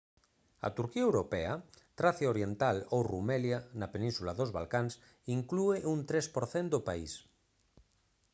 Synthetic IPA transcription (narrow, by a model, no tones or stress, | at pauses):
a̰t̪uɾkiaewɾopɛat̪ɾaθjaoɾjent̪alowrumɛljanapenĩnsulaðozβa̰lkans | iŋklueʔunt̪ɾespoɾθend̪opaḭs